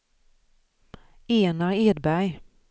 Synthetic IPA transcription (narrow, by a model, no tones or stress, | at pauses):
eːnɑʁeːd̪bæj